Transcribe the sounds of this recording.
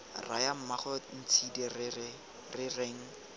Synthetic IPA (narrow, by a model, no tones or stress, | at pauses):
ra̰jam̩maχɔn̩t͡sʰidɛr | rɪreŋ̩